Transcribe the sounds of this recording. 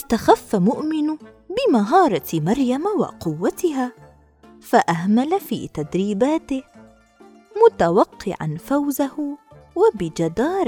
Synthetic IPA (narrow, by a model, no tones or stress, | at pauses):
ʔɪst̪axafːamʊʔmɪn | bɪmaɦɑːɾˤɑmɑɾˤjamawɑ̰qʊwːat̪ɪɦaː | faʔahmalafḭːt̪ad̪ɾiːbaːt̪ɪh | mʊt̪awɑqːɪ̰ʕa̰nfawzahwabɪd͡ʒad̪ɑːɾˤ